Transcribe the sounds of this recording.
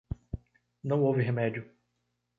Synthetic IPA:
nɐ̃w̃owvɪɦemɛd͡ʒʊ

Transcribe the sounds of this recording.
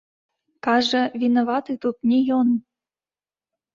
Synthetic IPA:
kɑʐɤvʲinɐvɑt̪ɨt̪ut̪̚nʲejon

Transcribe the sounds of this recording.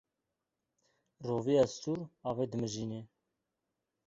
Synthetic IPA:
roviɑst̪uɾɑved̪əməʒiːne

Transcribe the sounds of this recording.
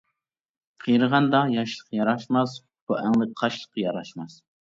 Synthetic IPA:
qʰəjɾəʁɑnd̪ɑjɑʃlˠə̥qʰɑjɑɾɑʃmɑs | b̥uʔæŋlˠɪqʰɑʃlˠə̥qʰːɑjɑɾɑʃmɑs

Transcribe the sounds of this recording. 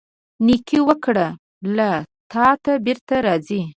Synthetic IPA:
nikʰiwəkɽa | lat̪ɑt̪abeɾt̪aɾɑzi

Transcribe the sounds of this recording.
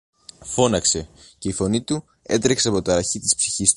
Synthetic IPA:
fo̞nɐkse̞ce̞ifo̞nit̪u | e̞̰t̪ɾekseɐpo̞t̪ɐɐçit̪ispsi̥çist̪

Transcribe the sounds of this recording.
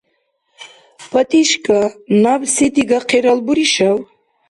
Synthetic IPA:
pʰat̪ʼiʃkʼanavset̪iɡaqʰeɾalbuɾiʃaw

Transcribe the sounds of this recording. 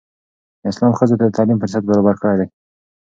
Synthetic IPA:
ɪslɑmxəzot̪ad̪ət̪ʰɑlimpəɾs̬at̪̚baɾɑbaɾkəɽajd̪aj

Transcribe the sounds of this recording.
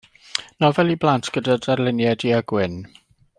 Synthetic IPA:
nɔvɛlˠiblˠantʰɡ̥ədadarlɪnjɛdiaɡwɪn

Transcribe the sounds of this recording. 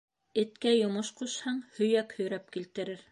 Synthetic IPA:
ɘ̆t̪kæjŏmɤʃquʃhɑɴhɵ̆jækhɵ̆jɾæp̚kilt̪ɘ̆ɾɘɾ

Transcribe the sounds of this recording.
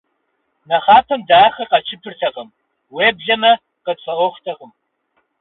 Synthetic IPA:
nɐχaːpʰɐmdaːχɐqɐt͡ʃʰɪpʰɨrtʰɐqəm | weːbɮɐmɐ | qət͡sʰʼɐʔʷɔχʷtʰɐqəm

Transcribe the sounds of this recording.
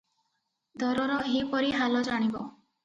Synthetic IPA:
d̪ʱɔɾɔɾɔɦipɔɾiɦalɔd͡ʒaɽ̃ibɔ

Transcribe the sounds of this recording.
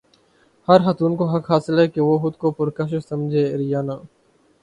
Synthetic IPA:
hɐɾxɐt̪uːnkoɦɐkɦaːsɪlɦɛːkeʋoːxʊd̪kopʊɾkɐʃ̬osɐmd͡ʒʱeːɾɪjaːnaː

